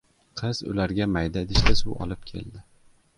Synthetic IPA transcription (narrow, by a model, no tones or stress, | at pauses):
qʰɨz̥ʊ̰laɾɡʲamajd̪ad̪ɪʃt̪asʊɒ̰lˠɪp̚kʲʰe̞̰ld̪ɪ